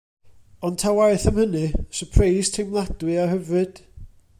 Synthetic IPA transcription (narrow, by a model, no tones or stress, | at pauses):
ɔntʰawaɨθəmhənɨsəpʰrajstʰejmlˠad̥wɨahəvrɨd̥